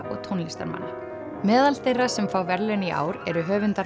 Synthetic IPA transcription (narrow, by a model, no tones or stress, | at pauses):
ʔɔ̰ɣt̪ʰownlɪst̪aɾma̰nːa | mɛːðalt̪ejrasɛmfaːwvɛɾlʏniʔa̰ːwɾɛɾʏɦœːvʏnt̪a